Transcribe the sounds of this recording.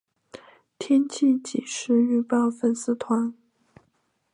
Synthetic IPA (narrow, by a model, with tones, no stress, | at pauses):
t̪ʰjɛ˥nt͡ɕʰi˥˩t͡ɕi˨˩ʂɻ̩˥y˥˧pɑ˥˩ʊfə˥˩nsɹ̩˥˩t̪ʰwa˧˥n